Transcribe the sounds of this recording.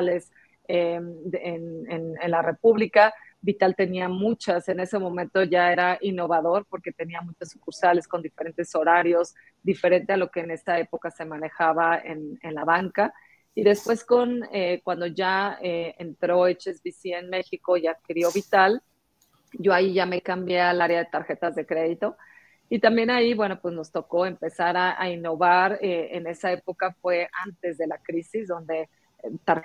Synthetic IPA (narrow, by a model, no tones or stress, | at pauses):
le̞s | eenenenlare̞puβlika | bit̪alt̪e̞niamut͡ʃase̞ne̞se̞mõ̞mẽ̞nt̪o̞ʝae̞ɾaʔinːo̞βaðo̞ɾpo̞ɾke̞t̪e̞niamut͡ʃosukuɾsale̞sko̞nd̪ife̞ɾe̞nt̪e̞so̞ɾaɾjo̞z | d̪ife̞ɾe̞nt̪e̞alo̞ke̞ːne̞st̪ae̞po̞kase̞mãne̞xaβaḛnenlaβaŋka | iðe̞spwe̞sko̞nekwand̪o̞ʝaeent̪ɾo̞et͡ʃezβisie̞nme̞xiko̞iaðkiɾjo̞βit̪al | ɟ͡ʝo̞aiʝame̞kambjealaɾjað̞e̞t̪aɾxe̞t̪azðe̞kɾe̞ðit̪o̞ | it̪ambje̞naiβwe̞no̞pwe̞zno̞st̪o̞ko̞e̞mpe̞saɾaa̰inːo̞βaɾeene̞sae̞po̞kafwe̞ʔant̪e̞zðe̞lakɾisizðo̞nd̪e̞ | t̪aɾ